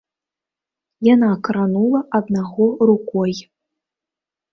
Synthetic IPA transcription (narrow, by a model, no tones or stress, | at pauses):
janakɾanulˠɐʔɐd̪naɣɔɾukɔj